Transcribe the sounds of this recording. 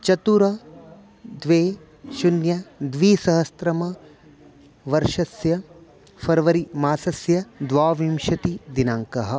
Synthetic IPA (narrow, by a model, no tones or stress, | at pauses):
t͡ʃɐt̪uɾɐ | d̪ʋeː | ʃunjɐd̪ʋiːsɐɦɐst̪ɾɐmɐ | ʋɐɾʃɐsjɐ | fʰɐɾʋɐɾimaːsɐsjɐd̪ʋaːʋimʃɐt̪id̪inaːŋkɐɦɐ̆